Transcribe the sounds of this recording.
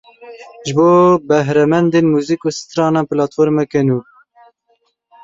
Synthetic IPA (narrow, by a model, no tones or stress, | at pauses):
ʒɨboːbɛɦɾɛmɛnd̪eːnmuzikosɨ̥t̪ɾɑːnɑːnpɨlɑːt̪foɾmɛkɛnuː